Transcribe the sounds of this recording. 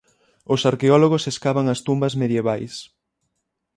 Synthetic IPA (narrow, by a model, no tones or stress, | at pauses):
ʊsaɾkeɔloɣ̞oseskaβaŋɐst̪umbɐzmeðjeβajs